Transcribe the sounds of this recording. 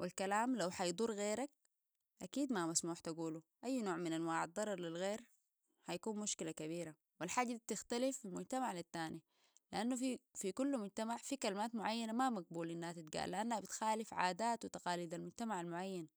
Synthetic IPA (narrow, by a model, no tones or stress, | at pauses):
wilkalaːmlawħɑjd̪ˤuɾˤɣeːɾak̚ | ʔakiːd̪mamasmuːħt̪aɡuːluʔajːnoːʕminʔanwaːʕɑd̪ˤːɑɾˤɑɾˤlilɣeːɾ | ħajakuːnmuʃkilakaβiːɾa | wilħaɟ̪t̪ɪxt̪alifilmʊɟt̪amaʕlit̪ːaːni | liʔanːufifikulːmʊɟt̪amaʕfikalmaːt̪mʊʕajːanamamaɡ̚buːlʔinːahat̪it̪̚ɡa̰ːlːiʔanːabit̪xaːlifʕa̰ːd̪aːt̪wit̪aqɑːliːd̪almʊɟt̪amaʕalmʊʕajːan